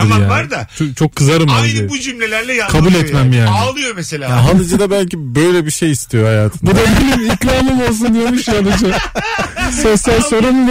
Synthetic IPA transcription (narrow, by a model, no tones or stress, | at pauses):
ɯɾjaːaɾd̪at͡ʃʰot͡ʃʰo̞kʰːɯzaɾɯmajd̪ɪbud͡ʒymlʲelʲæɾlʲɛjakʰabulʲɛt̪mæmjaːnaɪlˠɯjomeselʲahaɦanɯd͡ʒɯd̪abælʲcibøjlʲɛbiʃe̞jist̪ʰijo̞hajaːt̪ʰɯɯnbud̪abilʲimikɾaːmɯmo̞lˠs̬und̪ijemiʃanɯd͡ʒɯ | sesælʲso̞ɾun